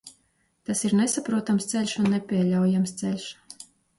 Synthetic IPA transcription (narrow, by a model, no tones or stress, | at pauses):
t̪asiɾnɛsapɾuɔt̪amst̪sɛlʲʃunːɛpʲiɛlʲawjamst̪sɛlʲʃ